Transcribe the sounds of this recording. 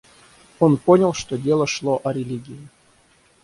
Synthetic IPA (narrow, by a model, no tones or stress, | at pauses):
onponʲəlˠʂt̪odʲelˠəʂlˠoʔɐɾʲɪlʲiɡʲɪɪ